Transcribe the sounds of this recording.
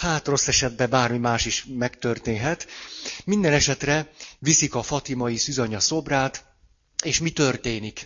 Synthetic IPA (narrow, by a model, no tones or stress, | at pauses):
haːt̪ro̞sːɛʃɛd̪̚bɛbaːrmimaːʃiʃmɛkt̪ørt̪eːnɦɛt̪mind̪ɛnɛʃɛt̪rɛvisikɒfɒt̪imɒjisyzɒɲɒso̞braːt̪ | eːʃmit̪ørt̪eːnik